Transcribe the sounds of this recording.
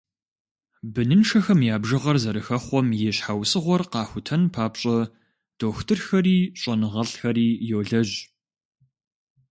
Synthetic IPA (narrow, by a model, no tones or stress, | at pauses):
bɨnɨnʂɐxɐmjaːbʒɨʁɐrzɐɾɨxɐχʷɔmjɛɕħawsɨʁʷɔrqɑːxʷʊtʰɐnpʰaːpɕʼɐ | d̥oːxtʰɨrxɐriːɕʼɐnɨʁɐɬxɐɾiːjoːɮɐʑ